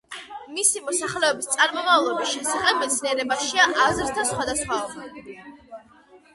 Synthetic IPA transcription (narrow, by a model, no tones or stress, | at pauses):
misimɔsaχlɛɔbist̪sʼaɾmɔmavlˠɔbisʃɛsaχɛb̚mɛt̪sʰniɛɾɛbaʃiaʔazɾt̪ʰasχwad̪asχwaɔa